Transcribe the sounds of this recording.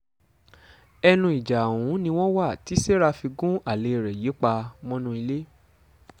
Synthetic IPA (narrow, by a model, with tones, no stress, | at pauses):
ɛ˧nũ˧i˨d͡ʒa˨wũ˨˦nĩ˧w̃ɔ̃˦wa˦˨ti˨˦se˦ɾa˧fi˧ɡũ˦a˨le˨˦˨ɾɛ˨je˨˦k͡pa˧mɔ̃˦nũ˧˦i˧le˦